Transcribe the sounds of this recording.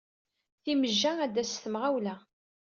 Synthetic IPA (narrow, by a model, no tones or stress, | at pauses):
θiməʒːææd̪ːæst̪əmʁæwlæ